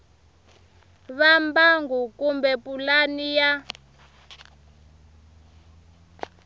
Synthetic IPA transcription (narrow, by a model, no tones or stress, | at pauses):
βambaŋɡukumbɛpulanija